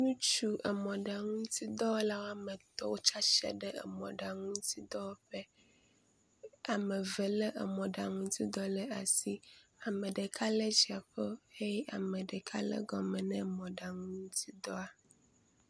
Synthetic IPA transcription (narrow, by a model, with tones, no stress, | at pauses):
nũ˦t͡ʃu˦ʔə˨mɔ̃˨ɖa˨ŋũ˦t̪i˦d̪ɔ˦wo˦la˦wo˦a˦mɛ̃˨t̪ɔ˦wo˦t͡ʃa˦ʃɛ̰˦ɖɛ˦ḛ˨mɔ̰̃˨ɖa˨ŋũ˦t̪i˦d̪ɔ˦wo˦ɸɛ˦ | a˨mẽ˨və˨lə˦ʔə̰˨mɔ̃˨ɖa˨ŋũ˦t̪i˦d̪ɔ˦lə˦a˨si˦a˨mẽ˨ɖe˨kʰa˦lə˦d͡ʒi˨a˨ɸə˦he˦ja˨mẽ˨ɖə˨kʰa̰˦lə̰˦ɡɔ˨mɛ̃˨nɛ̃˦˨mɔ̃˨ɖa˨ŋũ˦ŋ˦t̪ʰi˦d̪ɔ˦a˨